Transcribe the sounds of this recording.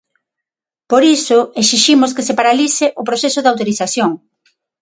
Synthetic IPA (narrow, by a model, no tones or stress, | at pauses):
poɾisʊesiʃimʊskɪsepaɾalisɪʔʊpɾoθesʊðawt̪oɾiθaθjoŋ